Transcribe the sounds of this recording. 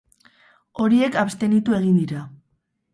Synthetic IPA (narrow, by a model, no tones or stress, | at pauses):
o̞ɾie̞kapst̪e̞nit̪ue̞ɣ̞ind̪iɾa